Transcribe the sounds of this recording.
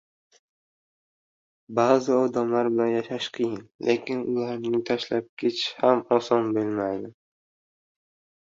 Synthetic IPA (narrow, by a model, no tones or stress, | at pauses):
bazɪɒd̪amlaɾbɪlanjaʃaʃqʰɨjɪnlʔekʲɪnʊlˠaɾnɪt̪ʰaʃlap̚kʲʰet͡ʃhamɒsɒnbɪlmajd̪ɪ